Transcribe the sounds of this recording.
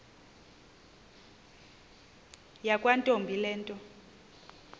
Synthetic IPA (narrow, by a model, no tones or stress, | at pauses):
jakʼwantʼombʱilɛːntʼɔ